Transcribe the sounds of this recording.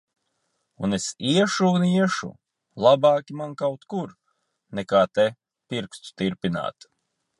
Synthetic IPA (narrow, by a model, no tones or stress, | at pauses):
unesiɛʃuːniɛʃṵ | lˠabɑːkʲimankawt̪kuɾ | nɛkaːt̪e | piɾkst̪u̥t̪iɾpina̰ːt̪